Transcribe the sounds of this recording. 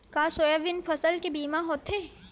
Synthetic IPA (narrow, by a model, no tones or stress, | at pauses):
kaːsoːjaʋɪnfʰɐsəlkebiːmaɦoːt̪ʰɦeː